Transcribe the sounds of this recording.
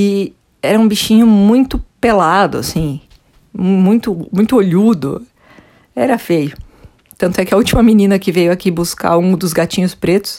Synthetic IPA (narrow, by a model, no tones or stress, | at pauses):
ɪ | ɛɾɐũbiʃĩɲʊmũj̃t̪ʊpelad̪ʊ̰a̰sĩ | m̃mũj̃t̪ʊmũj̃t̪ʊoʎud̪ʊ̰ | ɛɾɐfejʊ | t̪ɐ̃nt̪ʊɛkɪɐut͡ʃimɐminĩnɐkɪvejʊakibuska̰ũd̪ʊzɡat͡ʃĩɲʊspɾet̪ʊ̥s